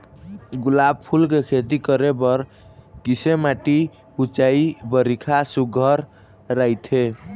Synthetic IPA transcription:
ɡulab̚pʰulkekʰet̪ikəɾebʌɾ | kisemaʈi | ut͡ʃaibəɾikʰasuɡʱəɾː | ajt̪ʰe

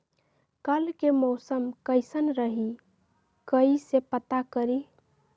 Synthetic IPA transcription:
kəlkemoʊsəmkəɪsənɾəɦi | kəisepət̪akəɾi

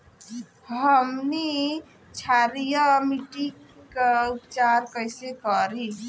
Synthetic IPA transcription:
ɦəmni | t͡ʃʰaɾijəmiʈikeupt͡ʃaɾkəjsekəɾi

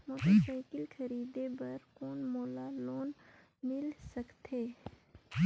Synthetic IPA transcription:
moːt̪aʃaɪkɪlkʰɐɾiːd̪ebɐɾkoːnmoːlaloːnmɪlsɐkt̪ʰeː

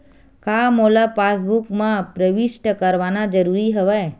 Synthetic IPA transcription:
kaːmoːlapaːsbukmãpɾəʋɪʃʈəkəɾʋanad͡ʒəɾuɾiɦəʋɛː

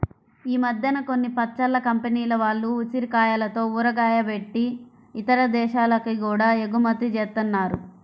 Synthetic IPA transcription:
iːmɐd̪ʱjɐnɐko̞nːipɐt͡ʃɐlːɐkɐmpeniːlɐʋaːɭːuːt͡ʃiɾkaːjalɐt̪o̞ːuɾɐɡaːjɐʋe̞ʈːi | it̪ɐɾɐd̪ɛːʃaːlɐkikuːɽaːeɡumɐt̪ːit͡ʃeːst̪unːaːɾu

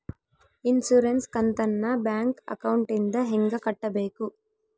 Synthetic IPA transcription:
insuɾenskɐnt̪ɐnːɐbjaːŋkɐ̰kɐwuɳʈind̪ɐɦeŋɡɐkɐʈːɐbe̞ːku

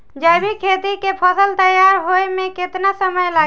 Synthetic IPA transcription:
d͡ʒəjbʱikʰet̪ikepʰəsəlt̪əjaɾɦoemẽket̪nasəməjla

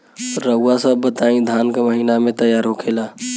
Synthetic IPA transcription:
ɾəasəbbət̪aĩd̪ʱaːnkeməɦinamẽt̪əjaːɾɦokʰela

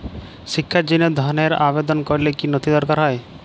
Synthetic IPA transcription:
ʃikʰːad͡ʑinod̪ʱɔneɾabed̪ɔnkoɾilekinot̪id̪ɔɾkaɾɦɔe

